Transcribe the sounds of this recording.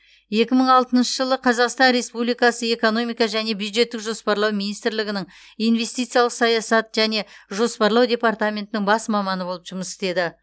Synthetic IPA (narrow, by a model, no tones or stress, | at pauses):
je̞kʲɪməɴɑlˠt̪ənʃəʒəlˠəqʰɑzɑqst̪ɑnɾe̞spublijkɑsəe̞ko̞no̞mijkɑʒæne̞bjud̪ʒe̞t̪ːɪkʒo̞spɑɾlˠɑwminijst̪ɾlɪɡʲɪnɪŋ | ijnve̞st̪ijt̪sɨjɑlˠəqsɑjɑsɑt̪ʒ̥æne̞ʒo̞spɑɾlˠɑwd̪ʲe̞part̪amʲe̞nt̪ɪnɪŋbɑsmɑmɑnəbo̞lˠəpʒʊməse̥t̪e̞d̪ɪ